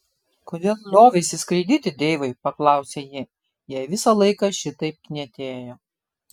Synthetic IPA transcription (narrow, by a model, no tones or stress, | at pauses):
koːd̪ʲeːlˠlʲoːʋʲɛɪsʲɪskɾʲɪd̪ʲɪt̪ʲɪd̪ʲeɪʋɐɪpɐklˠɑˑʊsʲeːjɪ | jɛːʋʲɪsɐlˠɐɪkɑʃʲɪt̪ɐɪp̚knʲɛt̪ʲeːjoː